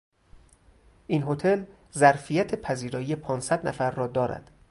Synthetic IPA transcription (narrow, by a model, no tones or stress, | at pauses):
ʔinɦo̞t̪ʰe̞l | zæɾfijæt̪ʰepʰæziːɾɒːijepʰɒːnsæd̪nʔæ̰fæɾːɒːd̪ɒːɾæ̰d̪̥